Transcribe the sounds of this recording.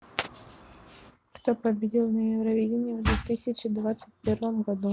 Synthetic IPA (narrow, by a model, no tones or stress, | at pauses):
kt̪opəbʲɪdʲilˠnəjɪvɾɐvʲidʲɪnʲɪjəvd̪vʲɪt̪ɨsʲɪt͡ɕɪd̪vat̪sɨt̚ʲpʲervəmɡɐd̪u